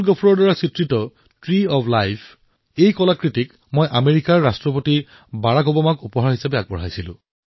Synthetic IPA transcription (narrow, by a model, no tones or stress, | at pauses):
lɡɔpʰuɹɔɹdaɹasitɹitɔ | tɹiɔpʰlajpʰ | ejkɔlakɹitik | mojʔameɹikaɹːastɹɔp̬oti | baɹakɔbɔmakupɔɦaɹɦisapɛaɡ̚bɔɹ̤ajsilʊ̰̃